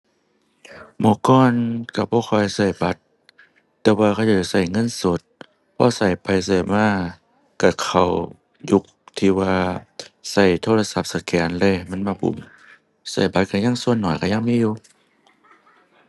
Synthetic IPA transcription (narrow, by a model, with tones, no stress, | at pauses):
mɔː˧˦kɔː˧˨nka˧˩bɔː˧˦xʰɔː˧˩jsa˧˩jba˧˦t̪̚ː | ɛː˧waː˧kʰa˧˩˨t͡ɕaː˧˩˧sa˧˩jŋɤ˧˥˨nso˧˦t̪̚ | pʰɔ̰ː˧˥˨sa˨˩jpa˨˩jsa˧˩maː˧˥˨ | ka˧˩kʰa˨˩w | ju˧˦k̚t̪ʰiː˧˩waː˧sa˧˩jt̪ʰoː˧˨la˧sa˧p̚sa˧˩kɛː˨˦nlɛː˧˨ma˧˥˨nmaː˧˩ŋbʰṵ˧˩˨m | sa˧˩jba˧˦t̪̚kʰa˧˩˨ɲa˧˥˨ŋsu˧ənːɔː˨˩jka˧˩ɲa˧˥˨ŋmiː˧˥˨juː˧